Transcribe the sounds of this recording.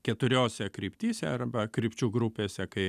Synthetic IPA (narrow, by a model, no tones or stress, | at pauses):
kʲɛt̪ʊɾʲoːsʲɛkɾʲiɪpʲt̪ʲiːsʲɛɐrbɐkɾʲɪpʲt͡ʃʲuːɡɾʊpʲeːsʲɛkɐɪ